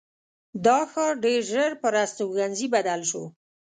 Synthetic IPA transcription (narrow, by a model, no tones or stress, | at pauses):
d̪ɑxəɖeɾʒəɾpəɾast̪oɣanzibad̪alʃo̰